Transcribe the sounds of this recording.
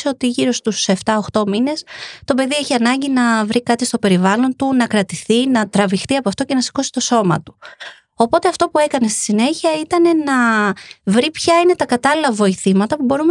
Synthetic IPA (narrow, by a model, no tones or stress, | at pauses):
seot̪iʝiɾo̞st̪use̞ft̪ɐoxt̪o̞mine̞st̪o̞pe̞ðie̞çiɐnɐɲɟinɐvɾikɐt̪ist̪o̞pe̞ɾivɐlo̞nt̪unɐkɾɐt̪iθinɐt̪ɾɐvixt̪iɐpoɐft̪o̞ce̞nɐsi̥ko̞si̥t̪o̞so̞mɐ̰t̪u̥ | o̞po̞t̪e̞ɐft̪o̞pue̞kɐne̞st̪i̥sine̞çiɐit̪ɐne̞nɐ | vɾipçɐine̞t̪ɐkɐt̪ɐlilɐvo̞iθimɐt̪ɐpubo̞ɾum